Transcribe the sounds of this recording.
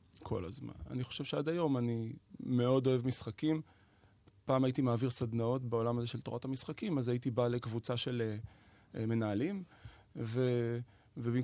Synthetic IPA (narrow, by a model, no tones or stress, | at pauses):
kʰo̞̰la̰zma̰na̰niχo̞̥ʃev̥ʃeadajo̞manime̞o̞do̞evmisχakim | paːmajitimaːviʁsad̪nao̞tbeo̞lamazeʃelto̞ʁathamisχakimazajitibale̞kvut͡saʃe̞le | me̞naːlim | ve | vebi